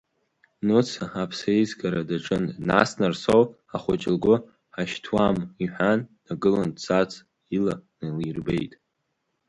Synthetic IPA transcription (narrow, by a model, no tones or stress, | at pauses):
not͡sʰaapʰsajzɡaɾadaʈ͡ʂʼɨnːa̰snarsow | aχʷʊt͡ʃʼɪlɡʷʊ | ħaʃtʰwamiħʷᶣanːaɡɨlant͡sat͡sʰʼ | ilanalirbḛjtʼ